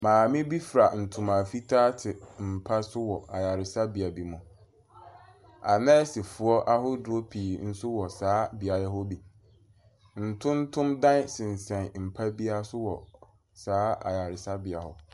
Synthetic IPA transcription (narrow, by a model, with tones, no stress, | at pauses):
mãː˨mɪ̃˦bi˦fɾa˨n̩˨tʰʊ̃˨mã˨fi˦tʰaː˦tʰɪ˨m̩˨pʰa˦sʊ˦wɔ˨ʔa˨ja˨ɾɪ˨sa˦bɪ˨a˨bi˨mʊ̃˨ | a˨nɛ̃˦sɪ˨fʊ˨ɔ˦ʔa˦ɦʊ˦dʊ˦o˦pʰiː˨n̩˦sʊ˦wɔ˨saː˨˦bi˨a˨jɛ˦ɦo˦bi˨ | n̩˨tʰʊ̃˦n˦tʰʊ̃˦mdã˦n˦sɪ̃˨n˨sɛ̃˨nm̩˨pʰa˦bi˦a˦sʊ˦wɔ˨ | saː˦ʔa̰˨ja˨ɾɪ˨sa˦bɪ˨a˨hʊ̰˨